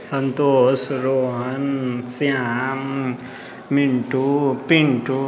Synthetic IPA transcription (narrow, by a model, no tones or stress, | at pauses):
sʌnt̪osɾoɦʌnt͡sjãm | miɳʈupiɳʈu